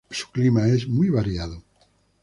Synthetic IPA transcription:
su̥klimaezmujβaɾjaðo

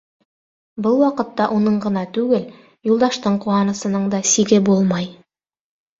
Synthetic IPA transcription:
bɤlˠwɑqɤ̆t̪ːɑʔunɤɴɢɤ̆nɑt̪ʉɡɘl | julˠd̪ɑʃt̪ɤɴquɑnɤ̆sɤ̆nɤɴd̪ɑsiɡɘbulˠmɑj

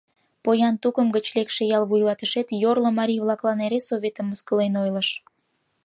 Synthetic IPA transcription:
pojɑnt̪ukəmɡət͡ɕlekʃejɑlβujlɑt̪əʃet̪jorlŏmɑɾʲijβlɑklɑneɾesːoβʲet̪əmːəskəlenojləʃ

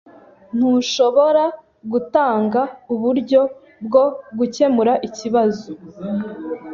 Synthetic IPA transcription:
n̥huʃo̞βoɾa | ɡutaːŋɡauβuɾɟo̞ | bɡo̞ɡuce̞muɾaʔiciβazo

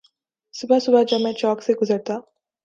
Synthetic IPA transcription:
subʱasubʱad͡ʑəmẽt͡ɕɔkseɡuzəɽt̪a

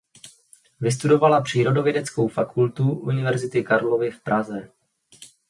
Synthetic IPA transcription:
vɪs̬t̪udo̞valapr̝̥iːɾo̞do̞vjɛdɛt͡sko̞wfakʰult̪uʔunɪvɛɾzɪt̪ɪkaɾlo̞vɪfpɾʔazɛ

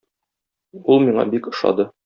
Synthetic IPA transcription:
ulˠmiɴɑ̰bikɤ̆ʃɑ̰d̪ɤ

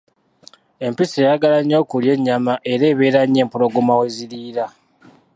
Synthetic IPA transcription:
e̞mpisejaɡalaɲːo̞ːkulje̞ɲːamaʔe̞ɾe̞ːβeːɾaɲːe̞ːmpuloɡumaweziɾiːɾa

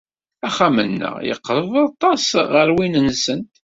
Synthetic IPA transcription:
æχæmənːə̰ʁjə̰qːɾðˤɑt̪ˤːɑsʁəɾwinənsənt̪

